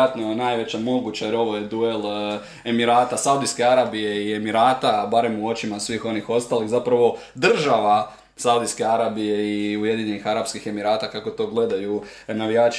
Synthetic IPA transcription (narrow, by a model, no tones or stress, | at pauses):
at̪nonajʋe̞t͡ɕamo̞ɡut͡ɕajeɾo̞ʋo̞jed̪ue̞l | e̞miɾaːt̪asaud̪iske̞aɾaːbije̞ie̞miɾaːt̪abaɾe̞muo̞t͡ɕimasʋiːxo̞nixo̞st̪alixzapɾaʋo̞ | d̪r̩ʒaʋa | saud̪iske̞aɾabije̞iuje̞d̪iɲe̞nixaɾapskixe̞miɾaːt̪akako̞t̪o̞ːɡle̞d̪ajunaʋijaːt͡ʃ